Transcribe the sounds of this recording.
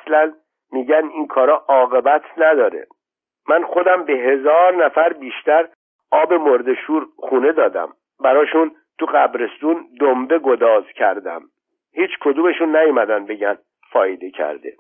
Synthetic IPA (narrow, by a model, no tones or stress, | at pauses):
slæn | miːɟæninkʰɒːɾɒːʔɒːɣe̞bæt̪ʰnæd̪ɒːɾḛ | mænxo̞d̪æmbeɦe̞zɒːɾnæfæɾbiːʃt̪æɾ | ʔɒːbe̞moɾd̪e̞ʃuːɾχuːne̞d̪ɒːd̪æ̰m | bæɾɒːʃun | t̪ʰuɢæbɾe̞st̪uːnd̪ombe̞ɡo̞d̪ɒːzcʰæɾd̪æ̰m | hiːt͡ʃʰkʰo̞d̪ume̞ʃunːæjumæd̪ænbe̞ɟæn | fɒːjed̪e̞cʰæ̰ɾd̪e̞̰